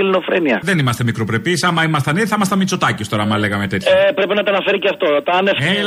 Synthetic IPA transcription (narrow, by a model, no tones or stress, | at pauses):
ilinofɾeniɐðenimɐst̪e̞mikɾopɾe̞pisɐmɐimɐst̪ɐniθɐmɐst̪ɐmit͡so̞t̪ɐcist̪o̞ɾɐmɐleɣɐmet̪eçepɾe̞pinɐt̪ɐɐnɐfe̞ɾiceɐft̪o̞t̪ɐnefe